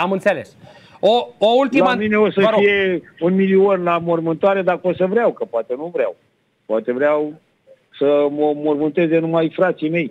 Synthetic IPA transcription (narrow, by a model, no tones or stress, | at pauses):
amɨnt̪seles | ooult̪ilməmineosəfije̞unmilionlamo̞rmɨnt̪oaɾe̞d̪akəosəvɾeawkəpoat̪e̞nuvɾea̰w | pwat̪e̞vɾeaw | səməmo̞rmɨnt̪e̞ze̞numajfɾat̪sime̞j